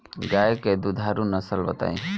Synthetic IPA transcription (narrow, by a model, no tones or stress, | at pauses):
ɡajeked̪ud̪ʱaɾunəsəlbət̪a̰ːḭ̃